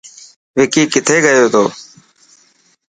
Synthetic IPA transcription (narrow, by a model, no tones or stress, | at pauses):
ʋɪkiːkɪt̪ʰeːɡəjoːt̪ʰoː